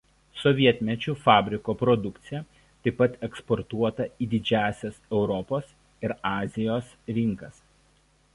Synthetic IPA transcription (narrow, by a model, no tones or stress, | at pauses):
sɔʋʲiɛt̪ʲmʲɛt͡ʃʲuːfɑːbʲɾʲɪkoːpɾɔd̪ʊkt̪sʲɪjɛ | t̪ɐɪpːɐt̪ɛkspɔɾt̪uɔt̪ɐiːd̪ʲɪd͡ʒʲæːsʲɛsɛʊɾɔpoːs | ɪɾɑːzʲɪjoːsɾʲɪŋˑkɐs